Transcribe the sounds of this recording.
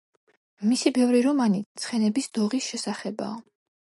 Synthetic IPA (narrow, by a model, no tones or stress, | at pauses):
misibɛvɾiɾɔmanit̪sʰχɛnɛbisd̪̥ɔʁisʃɛsaχɛba̰ː